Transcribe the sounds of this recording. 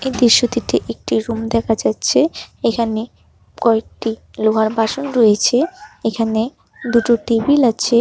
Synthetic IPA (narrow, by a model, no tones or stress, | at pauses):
ejd̪iɾʃːot̪iʈeʔek̚ʈiɾumd̪ɛkʰad͡ʑatːɕʰeekʰane | kɔek̚ʈi | loɦaɾbaʃonɾojet͡ɕʰeekʰane | d̪uʈoʈibilatːɕʰe